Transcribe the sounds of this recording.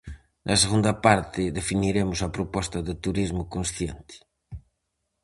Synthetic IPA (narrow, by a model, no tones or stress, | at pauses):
nʔɐseɣũnd̪ɐpaɾt̪ɪðefiniɾemʊsɐpɾopɔst̪ɐðɪt̪uɾizmʊkõnsθjent̪ɪ̥